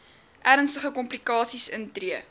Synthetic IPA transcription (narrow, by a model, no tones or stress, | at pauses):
ʔæɾənstəχəkɔmplikɑːsisəntriə